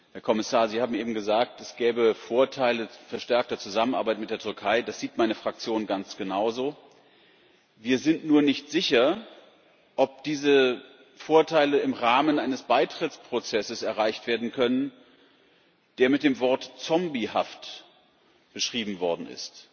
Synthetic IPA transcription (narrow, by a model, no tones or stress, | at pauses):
heːɐkʰɔmɪsaːɐziːhaːbm̩ʔeːbm̩ɡəzaːk̚tɛsɡ̥ɛːbəfoːɐtʰaɪləfɛɐʃtɛɐk̚tɐt͡suzamənʔa̰ɐbaɪtmɪt̚d̥eːɐtʰʏɐkʰaɪd̥asz̥iːtmaɪnəfʁ̥ak̚t͡sjoːnɡant͡sɡ̥ənaʊzoː | viːɐzɪntnuːɐnɪçtz̥ɪçɐ | ʔɔp̚d̥iːzə | foːɐtʰaɪləɪmʁaːmənʔaɪnəsb̥aɪtʁ̥ɪt͡spʁ̥ot͡sɛsəsɛɐʁaɪçtv̥eːɐdn̩kʰœnən | d̥eːɐmɪt̚d̥eːmvɔɐtt͡sɔmbihaft | b̥əʃʁ̥iːbm̩vɔɐdn̩ɪ̰st